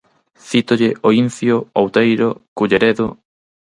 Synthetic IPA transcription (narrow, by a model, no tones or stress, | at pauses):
θit̪oʎɪʔoinθjoowt̪ejɾokuʎeɾeðʊ